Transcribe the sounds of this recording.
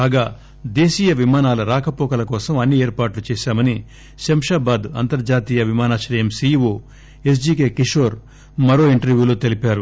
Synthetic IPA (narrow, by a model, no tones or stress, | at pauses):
aːɡaː | d̪eːʃiːjɐʋimaːnaːlɐɾaːkɐpɔːkɐlɐkɔːsɐmɐnːieːɾpaːʈlut͡ʃɛːʃaːmɐni | ʃɐmʂaːbaːd̪ɐnt̪ɐɾd͡ʒaːt̪iːjɐʋimaːnaːʃɾɐjɐmsiːʋoː | es̬d͡ʒiːkeːkiʂoːɾ | mɐɾo̞ːiɳʈɐɾʋjuːloːt̪elipaːɾu